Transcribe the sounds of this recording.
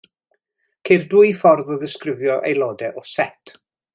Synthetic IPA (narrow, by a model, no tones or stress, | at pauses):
kʰerdwʊjfɔrðɔðɪskrɪvjɔʔḛjlˠɔːdɛʔɔsɛtʰ